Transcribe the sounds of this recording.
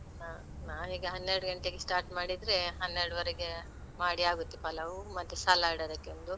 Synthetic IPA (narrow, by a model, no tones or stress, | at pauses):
aː | naːwɦiːɡɐɦɐnːeɾɽuɡɐɳʈeɡesʈaːɾʈmaːɽid̪ɾeɦɐnːeɾɽuʋɐɾɛɡe | maːɽiaːɡut̪ːipɐlɐʋumɐt̪ːusalːaːjɽɐd̪ɐkːeond̪u